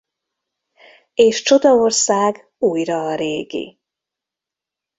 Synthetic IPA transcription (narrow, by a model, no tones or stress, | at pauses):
eːʃt͡ʃo̞d̪ɒo̞rsaːɡ | uːjrɒːɾeːɡḭ